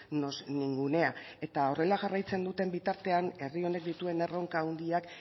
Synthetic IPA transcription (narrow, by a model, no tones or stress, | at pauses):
nosniŋɡune̞a | e̞t̪ao̞re̞laʝarajt͡se̞nd̪ut̪e̞mbit̪aɾt̪e̞ane̞rio̞ne̞k̚d̪it̪ue̞ne̞ro̞ŋkaund̪iak